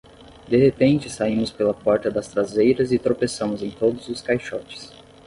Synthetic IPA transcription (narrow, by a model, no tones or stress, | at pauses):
d̪eɦepẽnt͡ʃɪsaĩmʊspelɐpɔɾt̪ɐd̪ɐst̪ɾazejɾɐzɪt̪ɾopesɐ̃mʊzẽj̃t̪od̪ʊzʊskajʃɔt͡ʃɪ̥s